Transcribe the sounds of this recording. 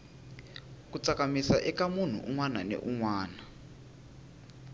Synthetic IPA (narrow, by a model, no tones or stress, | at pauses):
kut͡sakamisaʔɛkamun̤ṵʔuŋwananḛʔuŋwaːna